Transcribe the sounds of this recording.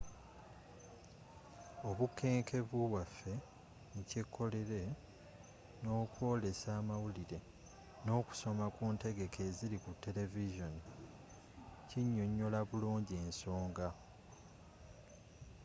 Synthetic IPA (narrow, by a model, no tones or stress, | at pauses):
o̞βukʰːe̞ːŋkʰe̞βuβwafːe̞ | nucekʰːo̞le̞ɾe̞ | no̞ːkwo̞ːle̞saːmawuliɾe̞ | no̞ːku̥so̞makuːnte̞ɡe̞kʰe̞ːziɾikutːe̞le̞viʒo̞ni | ciɲːo̞ɲːo̞laβuluːɲɟie̞ːnso̞ːŋɡa